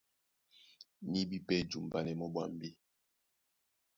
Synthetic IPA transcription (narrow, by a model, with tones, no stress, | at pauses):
ni˦bi˦pɛ˦˨d͡ʒu˨m˨ba˨lɛ˨mɔ˦bwa̰˦˨m˦bi˦